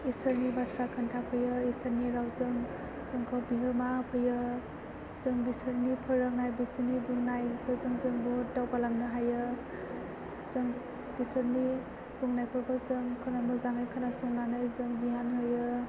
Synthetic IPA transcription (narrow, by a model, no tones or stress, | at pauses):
isʰəɾnibatʰɾakʰantʰapʰɯjɯisʰaɾniɾawzɯŋ | z̥ɯŋkʰɔbiɦɯmapʰɯjɯ | zɯŋbisɯɾnipʰɯɾːaŋnajbisɯnibuŋnajpʰɯzɯŋzɯŋbɔdawbalamnɯɦajɯ | zɯŋ | bisɯɾni | buŋnajpʰɯɾpʰɔzɯŋkʰɯnamɯzaŋajkʰanasɔŋnanɯjzɯŋdiɦanɦɯjɯ